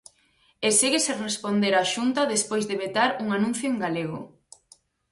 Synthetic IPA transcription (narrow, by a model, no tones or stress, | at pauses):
eseɣeserespond̪eɾaʃunt̪ɐðespojzðeβet̪aɾuŋanũnθjoeŋɡaleɣ̞o̰